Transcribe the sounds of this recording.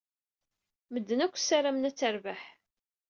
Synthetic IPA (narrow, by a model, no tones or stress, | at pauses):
məd̪ːənækʷːsaɾamnæt͡sːæɾvaħ